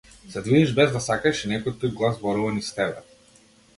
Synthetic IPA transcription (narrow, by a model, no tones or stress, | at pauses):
sɛd̪vid̪ɛʒbɛzd̪asakaʃinɛkɔjt̪ujɡlˠazbɔɾuvanist̪ɛbɛ